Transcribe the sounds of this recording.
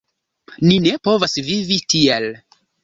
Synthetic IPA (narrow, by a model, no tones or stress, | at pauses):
nine̞po̞vasvivitʰiel